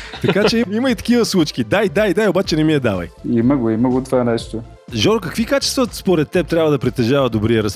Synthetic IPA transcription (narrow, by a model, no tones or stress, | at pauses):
t̪ɐkat͡ʃɛiiməit̪ɐ̥kivəslˠut͡ʃkʲid̪ajd̪ajd̪ajobat͡ʃɛnɛmiɛd̪avɐ̰jiməɡoiməɡot̪ovanɛʃt̪o | ʒɔɾkɐkvikat͡ʃɛ̥st̪vəspoɾɛt̪ːɛp̚t̪ɾʲabvəd̪ɐpɾit̪ːɛʒavəd̪obɾiəɾɐs